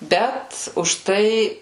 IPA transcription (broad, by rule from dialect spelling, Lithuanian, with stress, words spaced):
ˈbʲɛt ʊʃˈtɐɪ